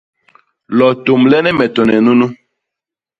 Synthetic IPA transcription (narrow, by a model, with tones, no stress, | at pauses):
lɔ˨to˨mlɛ˦nɛ˦mɛ˨tɔ˨nɛ˨nu˦nu˦